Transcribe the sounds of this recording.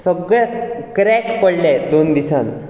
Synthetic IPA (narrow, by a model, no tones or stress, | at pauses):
səɡɭjakɾɛkpəɽlɛd̪ond̪isãn